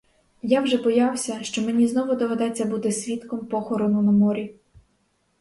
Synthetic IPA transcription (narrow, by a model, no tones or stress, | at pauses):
jawʒɛbɔjɑwsʲɐʃt͡ʃɔmenʲiznɔʋʊd̪ɔʋed̪ɛt͡sʲːɐbut̪ɪsʲʋʲit̪kɔmpɔxɔɾɔnʊnɐmɔɾʲi